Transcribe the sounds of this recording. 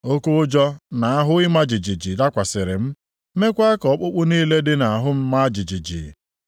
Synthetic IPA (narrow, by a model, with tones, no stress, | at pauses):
o˦kʊ˦ʊ˦d͡ʒɔ˦na˨a˦ɦʊ˦ɪ˦ma˦d͡ʒi˨d͡ʒi˨d͡ʒi˨da˦kʷa˨sɪ˨ɾɪ˨m̩˦ | me˦kʷa˦kɔ˨˦k͡pʊ˦k͡pʊ˦niː˦le˦dɪ˦na˨a˨ɦʊ˦m̩˦ma˦d͡ʒi˨d͡ʒi˨d͡ʒḭ˨